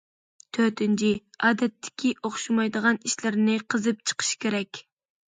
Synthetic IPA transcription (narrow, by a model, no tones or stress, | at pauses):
t̪ʰøɾt̪ɪnt͡ʃʰiɑːd̪ɛt̪ʰːɪ̥kʲʰiʔoχʃumɑjd̪əʁɑniʃlɪɾnɪqʰəzɨp̚t͡ʃʰə̥qʰə̥ʃkʲʰeɾɛkʲ